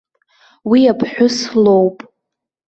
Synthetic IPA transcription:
wiapʰħʷᶣʊslowpʼ

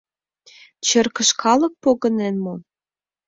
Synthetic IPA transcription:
t͡ɕə̆rkə̆ʃkʰɑlə̆k̚poɣə̆nenmo

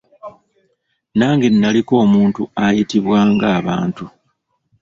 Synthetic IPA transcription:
naːŋɡenːaliko̞ːmuːntuajitiβwaːŋɡaːβa̰ːntu

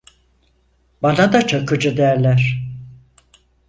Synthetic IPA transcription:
banad̪at͡ʃʰakɯd͡ʒɯd̪æɾlʲæɾ

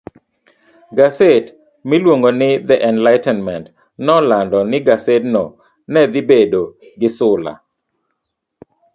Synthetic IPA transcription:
ɡaset | milwoŋɡonɪd̪ɛʔɛnlaɪtɛnmɛnt | nɔlandɔnɪɡasetnɔ̰ | nɛd̪ɪbedoɡɪsʊla̰

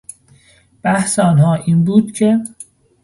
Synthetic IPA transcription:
b̥æhseːnɦɒːʔiːnbuːd̪̥cʰe̞

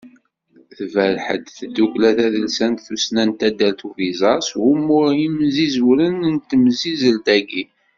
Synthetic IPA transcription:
θθvælħə̰d̪θd̪ːuklæθæðəlsænt̪θusnænt̪æd̪ːælt̪uvizˤɑsumʊɾimzizwɾənnt̪əmzizəlt̪æɡi

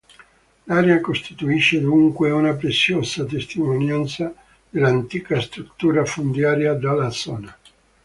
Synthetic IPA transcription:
laːɾeakost̪it̪uiʃːed̪uŋkweunap̬ɾesːjoːsat̪̬est̪imonjant̪sa | d̪elːant̪iːkast̪ɾut̪ːuːɾafond̪jaːɾjad̪alad̪sɔːna

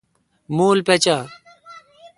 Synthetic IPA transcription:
muːlpet͡ɕaː

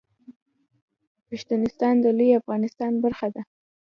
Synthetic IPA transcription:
pɪʃt̪inɪst̪ɑnd̪əlujafɣɑnɪst̪ɑnbaɾxad̪a

